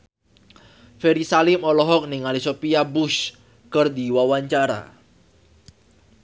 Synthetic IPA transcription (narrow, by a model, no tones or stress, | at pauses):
fɛɾisalɪmɔlɔɦɔk̚niŋalisopiabʊs | kərdiwawaɲt͡ʃaɾa̰